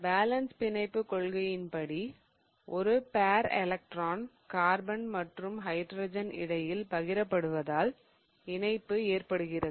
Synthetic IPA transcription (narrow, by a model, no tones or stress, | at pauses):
baːlɐnspɪnɐɪpːɯkɔɭɣɐjɪnpɐɽi | ʔɔɾɯpaːɾɛ̰lɐk̚ʈraːn | kaːɾbɐnmɐʈrɯmɦɐɪɖɾoːd͡ʒɐnɪ̰ɽɐjɪlpɐɣɪɾɐpːɐɽɯʋɐðaːl | ɪnɐɪpːɯeːrpɐɽɯɣɪrɐðɯ